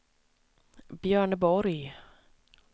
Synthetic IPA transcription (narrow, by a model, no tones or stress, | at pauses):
bjœːɳəbɔɾj